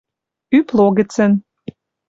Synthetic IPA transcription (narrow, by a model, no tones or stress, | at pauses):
yplˠoɣə̆t͡sə̆n